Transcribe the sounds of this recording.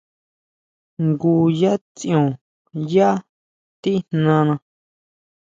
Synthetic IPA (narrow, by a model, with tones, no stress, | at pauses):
ŋɡu˧˨ja˦t͡sĩ˦õ˨ | ja˦ | t̪i˦nnã˧nã˧